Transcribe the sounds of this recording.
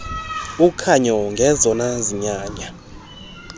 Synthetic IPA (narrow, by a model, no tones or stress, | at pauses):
ukʰaɲɔŋɡʱɛzɔnaziɲaːɲa